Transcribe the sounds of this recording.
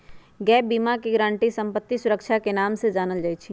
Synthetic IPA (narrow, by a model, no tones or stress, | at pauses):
ɡɛːpbiːmakiɡɾãːɳʈisə̃mpət̪ːisʊɾəkʃʰakenaːmsed͡ʒaːnəld͡ʒaːit͡ʃʰi